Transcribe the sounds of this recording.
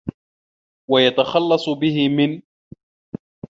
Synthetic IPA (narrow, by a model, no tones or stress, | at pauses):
wajat̪axɑlːɑsˤbɪɦɪmɪn